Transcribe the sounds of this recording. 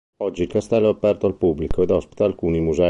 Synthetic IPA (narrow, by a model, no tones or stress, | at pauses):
ɔd͡ʒːiːlkast̪ɛlːoapːɛrt̪oalpubːlikoed̪ɔspi̥t̪aːlkuːnimuzɛ